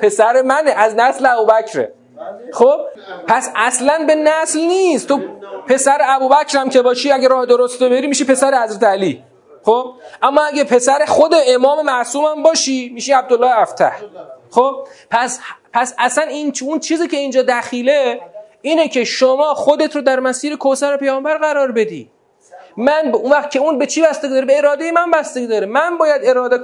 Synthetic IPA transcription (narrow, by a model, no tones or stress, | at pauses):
pʰe̞sæɾemæneʔæznæsleæbuːbæcʰɾḛ | xob̥̚ | pʰæsæslænbe̞næslniːst̪ʰopʰe̞sæɾeæbuːbæcʰɾæmcʰebɒːʃiæɡæɾɒːhed̪oɾost̪obeɾiːmiʃipe̞sæɾehæzɾæt̪ʰeæliː | xob̥̚ʔæmːɒːæɡepʰe̞sæɾexod̪e̞emɒːme̞mæʔsuːmæmbɒːʃimiːʃiæb̚d̪olːɒːhæft̪ʰæ̰hxob̥̚pʰæspʰæsæsæninunt͡ʃʰiːziːcʰe̞ind͡ʒɒːd̪æxiːle | iːnecʰe̞ʃomɒːxod̪et̪ʰɾod̪æɾmæsiːɾekʰosæɾepe̞jɒːmbæɾɣæɾɒːɾbe̞d̪ḭː | mænbunvæx̚cʰʲe̞unbe̞t͡ʃʰibæst̪eɡid̪ɒːɾebeːɾɒːd̪e̞jemænbæst̪eɡiːd̪ɒːɾemænbɒːjæd̪e̞ɾɒːd̪e